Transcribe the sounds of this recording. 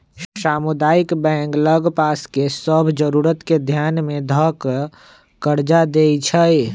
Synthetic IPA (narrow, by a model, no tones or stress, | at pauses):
saːmʊd̪aːɪkbɛ̃ːŋɡləɡpaːskesəbʱd͡ʒəɾuːɾət̪ked̪ʱjaːnmẽd̪ʱək | kəɾd͡ʒad̪eit͡ʃʰəj